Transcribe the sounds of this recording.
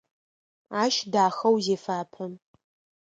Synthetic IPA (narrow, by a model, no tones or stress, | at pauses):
aːʃdaːxɐwzeːfaːpʰɐm